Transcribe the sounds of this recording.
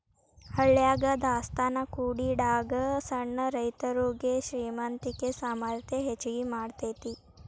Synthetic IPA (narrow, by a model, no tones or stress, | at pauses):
həɭjaɡad̪ʱast̪anakuɽiɖaɡəsəɳːəɾəjt̪əɾoːɡeɕɾiːmant̪ikesamaɾt̪ʰeɦet͡ʃɡimaːɽt̪et̪iː